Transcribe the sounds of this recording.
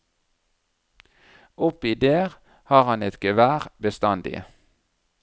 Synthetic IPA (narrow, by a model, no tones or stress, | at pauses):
ʊpiːd̪eːʁ | hɑːʁhɑnɛt̪ɡəʋæːʁbəst̪ɑnd̪ɪ̰